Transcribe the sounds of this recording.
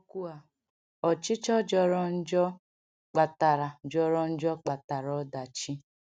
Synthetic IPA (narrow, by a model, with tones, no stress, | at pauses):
ku˦a˨ | ɔ˨t͡ʃɪ˦t͡ʃɔ˦d͡ʒɔ˦ɾɔ˦n̩˦d͡ʒɔ˦ | k͡pa˨ta˨ɾa˨d͡ʒɔ˦ɾɔ˦n̩˦d͡ʒɔ˦k͡pa˨ta˨ɾɔ˨˦da˨t͡ʃi˦